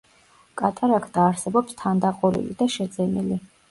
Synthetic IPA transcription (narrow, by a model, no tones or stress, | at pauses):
kʼat̪ʼaɾakʰd̪aːɾsɛbɔpst̪ʰand̪aqʼulḭlḭd̪aʃɛd̪zɛnili